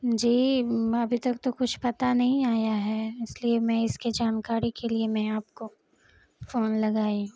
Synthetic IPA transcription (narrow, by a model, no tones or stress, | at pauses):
d͡ʒiːɐbʱit̪ɐkt̪okʊt͡ʃʰpɐt̪anɐɦĩaːjaɦɛːɪsliemɛ̃ɪskid͡ʒaːnkaːɾikeliemɛ̃aːp̚ko | foːnlɐɡaːĩː